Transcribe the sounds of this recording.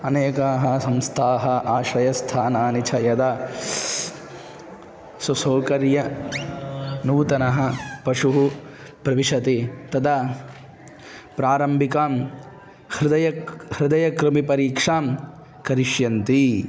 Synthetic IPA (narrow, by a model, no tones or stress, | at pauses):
ɐneːkaːɦɐ̆sɐmst̪ʰaːɦɐʔaːʃɐjɐst̪ʰaːnaːnit͡ʃʰɐjɐd̪ɐ | sɐsoːkɐɾjɐ | nuːt̪ɐnɐɦɐ̆pɐʂuɦu | pɾɐʋiʂɐt̪it̪ɐd̪ɐ | pɾaːɾɐmbʱikaːm | hɾɪd̪ɐjɐhɾɪd̪ɐjɐkɾɪmipɐɾiːkʂaːm | kɐɾiʃjɐnt̪i